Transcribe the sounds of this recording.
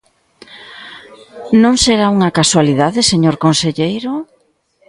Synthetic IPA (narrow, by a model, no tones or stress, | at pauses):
nõŋseɾauŋɐkaswaliðaðɪseɲoɾkonseʎejɾʊ